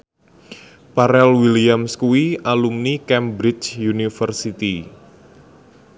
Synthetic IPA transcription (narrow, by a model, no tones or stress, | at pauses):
paɾɛlwiliamskuiʔalumnikɛmbɾɪt͡ʃjunifərsit̪i